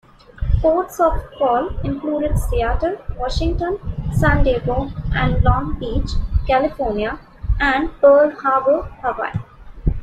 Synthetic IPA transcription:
poːʈsɔːfʈkɔːlɪ̃nkluːɖɪɖst̪iaːʈəɾʋɔːʃɪ̃ŋʈə̃nsæ̃nɖeːboʔæ̃ɳɖlɔ̃ːŋbiːt͡ʃkælɪfɔːɾnia | æ̃ɳɖpəːlhaːbəhəʋa̰ɪ

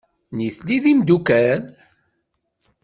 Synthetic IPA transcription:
niθliðimd̪ukæn

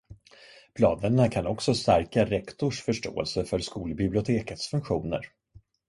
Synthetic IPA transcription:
pʰlɑːd̪ənnakʰanɔksɔst̪æɾkaɾɛkt̪ʊʂfœʂʈo̰ːɛ̰lsəfœɾskuːlbɪblɪʊt̪ʰeːkət̪sfɵŋkɧuːnə̰ɾ

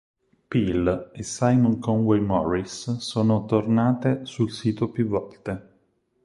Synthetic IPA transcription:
pilesajmɔŋkɔŋwɛjmɔrisːoːnot̪ornaːt̪esulsiːt̪opjuvːɔlt̪e

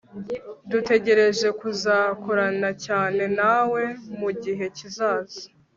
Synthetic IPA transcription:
dute̞ɟe̞ɾe̞ʒe̞kuzakoɾanacaːne̞nawe̞muɟiɦe̞cizaːzḁ

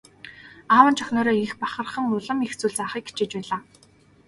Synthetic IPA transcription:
aːwə̆nt͡ɕʰœxʲnɔːɾɔːixpaχə̆rχə̆ŋʊɮə̆mixt͡suːɮt͡saχiːk̚ɡet͡ɕeːt͡ɕpæːɮaː

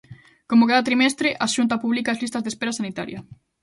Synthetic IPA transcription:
komokaðɐt̪ɾimɛst̪ɾɪʔaʃunt̪ɐpuβlikazlist̪ɐzðespeɾasanit̪a̰ɾjɐ

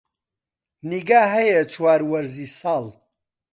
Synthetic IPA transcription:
niɡaːɦɐjet͡ʃʰwaːɾwɐɾziːsɑːl

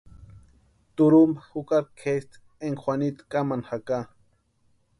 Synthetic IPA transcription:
t̪uɾumbaxukaɾ̚kʰest̪ | eŋxwanit̪kamanxaka

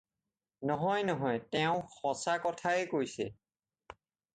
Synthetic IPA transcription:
nɔɦɔjnɔɦɔjtɛʊ̃xɔsakɔtʰaɛkojsɛ

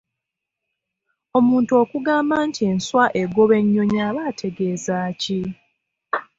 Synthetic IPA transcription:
o̞muːntuo̞ːkuɡaːmbantʰie̞nswaʔeɡo̞βe̞ɲːo̞ɲaːβaːtʰe̞ɡe̞ːzaːci

